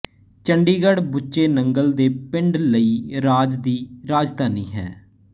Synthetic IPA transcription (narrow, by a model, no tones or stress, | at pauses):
t͡ʃəɳɖiːɡəɽbʊt͡ʃeːnəŋɡəld̪eːpɪɳɖləiːɾaːd͡ʒd̪iːɾaːd͡ʒt̪aːnĩːɦɛ̰ː